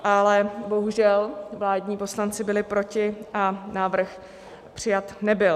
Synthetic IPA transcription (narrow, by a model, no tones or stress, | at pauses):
ʔalɛbo̞ɦuʒɛlvlaːdɲiːpo̞slant͡sɪbɪlɪpɾo̞cɪʔanaːvr̩x | pr̝̥ɪjat̪nɛbɪl